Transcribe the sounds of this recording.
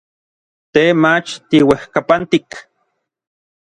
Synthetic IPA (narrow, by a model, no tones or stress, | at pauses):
t̪emat͡ʃt̪iwehkapant̪ik